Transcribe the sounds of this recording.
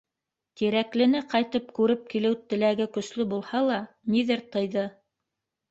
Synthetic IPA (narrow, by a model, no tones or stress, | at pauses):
t̪iɾæklɘ̆nɘqɑjt̪ɤpkʉɾɘp̚kilɘwt̪ɘ̆læɡɘkɵ̆slɵbulˠhɑlˠɑ | niðɘɾt̪ɤ̆jðɤ